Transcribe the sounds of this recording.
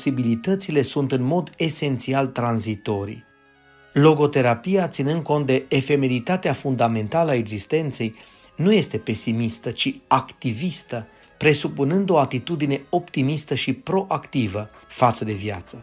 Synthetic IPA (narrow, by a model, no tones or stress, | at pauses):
sibilit̪ət̪sile̞sunt̪ɨnmo̞d̪e̞se̞nt̪sialt̪ɾanzit̪o̞ɾḭ | lo̞ɡo̞t̪e̞ɾapijat̪sinɨnd̪̚ko̞nt̪̚d̪e̞ːfe̞me̞lit̪at̪eafund̪ame̞nt̪aləae̞ɡzist̪e̞nt̪se̞j | nuje̞st̪e̞pe̞simist̪ət͡ʃiakt̪ivist̪ə | pɾe̞supunɨnd̪o̞at̪it̪ud̪ine̞o̞pt̪imist̪əʃipɾo̞ʔakt̪ivəfat̪səd̪e̞vja̰t̪sə